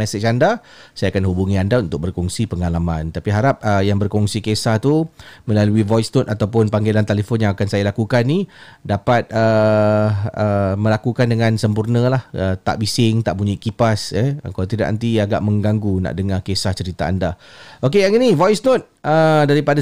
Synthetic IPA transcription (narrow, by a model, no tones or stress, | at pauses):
mɛset͡ʃanda | sajakanɦubuŋĩandaunt̪ʊk̚bərkɔŋsipəŋalamãnt̪apiɦaɾap̚əjaŋbərkɔŋsikesaht̪umə̃laluivɔjsnɔt̪at̪awpʊnpaŋɡelant̪eləfɔnjãŋakansajalakukanːidapat̪̚ə | əmə̃lakukandəŋãnsəmpurnə̃lahət̪a̰ʔbisɪŋt̪aʔpuɲaiʔkipasɛə̰kalawt̪idaʔnə̰nt̪iaɡa̰ʔmə̃ŋɡaŋɡuna̰ʔdəŋakesaht͡ʃəɾit̪a̰ːndaok̬eaŋinivɔjsnɔt̪̚ʔədaɾipada